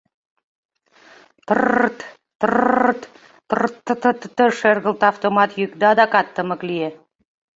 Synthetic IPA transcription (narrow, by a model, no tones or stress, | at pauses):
t̪ərt̪ | t̪ərt̪ | t̪ɤrt̪ːə̆t̪ə̆t̪ət̪ːəʃerɣə̆lt̪ɑft̪omɑt̪jykd̪ɑd̪ɑkɑt̪ːə̆mə̆klije